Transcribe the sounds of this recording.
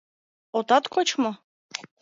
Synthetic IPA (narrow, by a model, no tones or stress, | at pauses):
ot̪ɑt̪kot͡ɕmŏ